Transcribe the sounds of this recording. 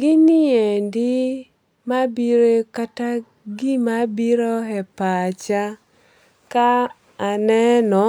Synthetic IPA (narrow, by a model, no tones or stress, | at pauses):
ɡɪniendɪ | mabiɾekata | ɡimabiɾɔɦɛpat͡ʃa | kaː | nɛnɔ